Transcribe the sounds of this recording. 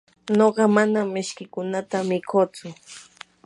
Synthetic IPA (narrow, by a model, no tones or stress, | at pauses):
noɢɑmanamːɪʃkɪkʊnat̪amɪkʰoːt͡sʊ